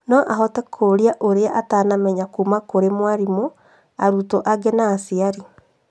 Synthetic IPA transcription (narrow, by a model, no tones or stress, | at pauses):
nɔʔaɦɔtɛkʰoɾiaʔoɾeaʔataːnamɛɲakuːmakoɾemwaɾimo | aɾutoʔaɡɛnaːsiaɾi